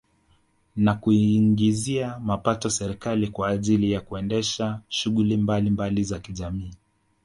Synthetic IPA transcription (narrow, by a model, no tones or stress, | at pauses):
nakuiŋɡiziamapatɔsɛɾikalikwaːʄilijakuɛndɛʃaʃuɣulimbalimbalizakiʄamiː